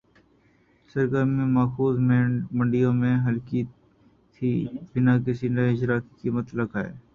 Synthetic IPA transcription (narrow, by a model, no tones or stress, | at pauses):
sɐɾɡəɾmẽmaːxuːzmẽmɐ̃ɳɖijõmẽɦɐlki | t̪ʰiːbɪnaːk̬esinaɪd͡ʒɾaːkikiːmət̪lɐkaːḛː